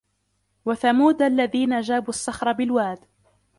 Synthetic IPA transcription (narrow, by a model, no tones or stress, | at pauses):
waθamuːd̪aʔlːaðiːnad͡ʒaːbuːasːɑxɾˤɑbɪlwaːd̪